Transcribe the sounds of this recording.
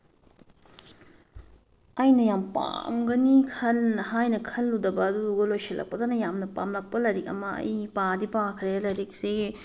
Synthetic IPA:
ɐjnɐjampa̰mɡɐnikʰɐlnɐɦajnɐkʰɐlːudɐbɐːduɡɐlojsilʔɐ̰k̚pɐdonɐjamnɐpamlɐk̚pɐlɐɾik̚ɐmɐɐ̰jpadipakʰɾeɐlɐjɾik̚se

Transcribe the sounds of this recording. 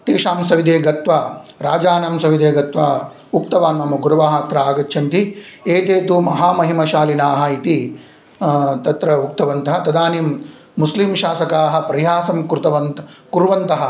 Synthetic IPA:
t̪eːʃaːmsɐʋid̪eːɡɐt̪ʋaɾaːd͡ʒaːnɐmsɐʋid̪eːɡɐt̪ʋɐ | uk̚t̪ɐʋaːnmɐmɐɡuɾɐʋaːɦɐt̪ɾɐaːɡɐtːʃʰɐnt̪ieːt̪eːt̪umɐɦaːmɐɦimɐʃaːlinaːɦɐit̪i | t̪ɐt̪ɾɐuk̚t̪ɐʋɐnt̪ɐɦɐt̪ɐd̪aːnimː | uslimʃaːsɐkaːɦɐ̆pɐɾɐjaːsɐmkɾt̪ɐʋɐnkuɾʋɐnt̪ɐɦɐ̆

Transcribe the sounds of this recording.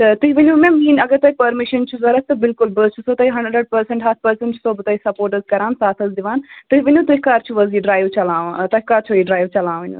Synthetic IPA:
t̪ɐt̪uɦiʋɐnʲũmẽmiːnɐɡəɾt̪ɐipɐɾmɪʃɐnt͡ʃʰuzɐɾɐt̪ɐbɪlkʊlbət͡ʃʰusot̪ɐiɦɐ̃ɳɖɾəɖ̚pɐɾsẽɳʈɦaːt̪̚ʰpɐɾsə̃ɳʈt͡ʃʰu̥sobɨt̪ɐisɐpoːɾʈəzkɐɾaːnsaːt̪ʰɐzd̪ɪʋaːnt̪ɐiʋɐnʲũt̪ɐikːaːɾt͡ʃʰuʋɐziːɖɾaːjʋt͡ʃɐlãːãt̪ɐkaːɾt͡ʃʰoiɖɾaːjʋt͡ʃɐlãːʋɐnʲṵ

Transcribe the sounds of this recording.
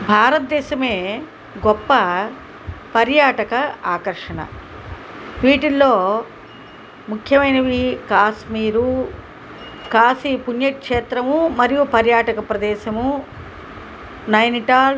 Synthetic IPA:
bʱaːɾɐt̪̚d̪ɛːʃɐme̞ː | ɡɔpːɐ | pɐɾjaːʈɐkɐaːkɐɾʂɐnɐ̰ | ʋiːʈilːoː | mukʰjɐʋɐjnɐʋikaːʃmiːɾu | kaːsipunjɐkʂeːt̪ɾɐmumɐɾijupɐɾjaːʈɐkɐpɾɐd̪ɛːʃɐmu | nɐjniʈaːl

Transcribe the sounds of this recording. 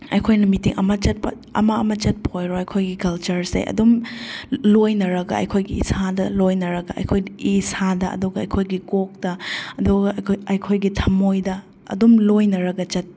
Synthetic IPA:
ɐ̰jkʰojnɐmitiŋʔɐ̰mɐt͡ʃɐt̚pɐ̰ | ɐ̰mɐɐmɐt͡ʃɐt̚phojɾoɐjkʰojɡikɐlt͡ʃɐɾsḛjʔɐ̰dum | lojnɐɾɐɡɐ̰ɐ̰jkʰojɡiḭsadɐlojnɐɾɐɡɐɐ̰jkʰojisadɐʔɐ̰duɡɐɐ̰jkʰojɡikok̚dɐɐduɡɐɐjkʰojɡitʰɐmojdɐ | ɐ̰dumlojnɐɾɐɡɐt͡ʃɐt̚

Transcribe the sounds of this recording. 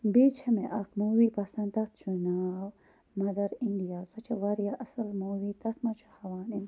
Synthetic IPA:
beːt͡ʃʰɐmeʔɐk̚muːwipɐsɐ̃nt̪ɐt̪̚t͡ʃunaːw | mɐd̪ɐɾind̪ijaːzɐt͡ʃʰɐʋɐɾijaʔɐsɐlmoːwit̪ɐt̪ʰmɐt͡ʃʰuhɐʋaːnin

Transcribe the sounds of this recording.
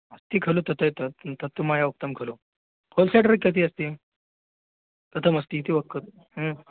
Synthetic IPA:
əst̪iːkʰəlot̪ət̪ʰət̪ət̪ət̪ːəmajauk̚t̪əmkʰəlo | holseʈəɾəkːɐt̪̬iːəst̪iː | t̪ət̪ʰəməst̪iːt̪iːʋəkːət̪ | ɦə

